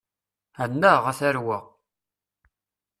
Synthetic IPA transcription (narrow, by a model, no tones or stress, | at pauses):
ænːəʁæθæɾwəʁ